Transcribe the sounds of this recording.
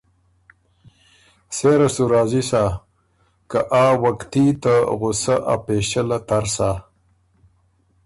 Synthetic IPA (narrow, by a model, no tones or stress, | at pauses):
seɾɐsuɾaːzisa | kaʔaːwakt̪it̪aɣʊsaʔa̰peːʃəlat̪aɾsa